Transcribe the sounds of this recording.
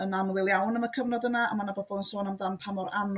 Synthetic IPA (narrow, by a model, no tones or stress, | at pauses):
ənanwɪlˠjawnəməkʰəvnɔdənaa̰manabɔbɔənsoːnamdanpʰamɔran